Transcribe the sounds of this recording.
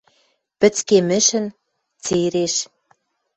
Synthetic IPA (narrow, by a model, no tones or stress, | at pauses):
pɘ̆t͡skemɘ̆ʃɘ̆n | t͡seɾeʃ